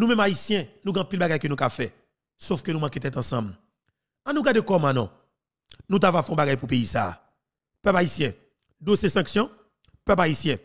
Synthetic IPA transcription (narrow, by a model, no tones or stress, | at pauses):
nũmɛ̃maisjɛ̃nũɡɛ̃ɐ̃pilbaɡajkønũkafɛ | sofkønũmãket̪ɛt̪ɑ̃sã̰ml | anũɡadekɔmãnɔ̰̃ | nũt̪̬avafɛ̃ɔ̃baɡajpupeisa̰ː | pɛpaisjɛ̃ | d̪osesɐ̃ksjɔ̃ | pœpaisjɛ̃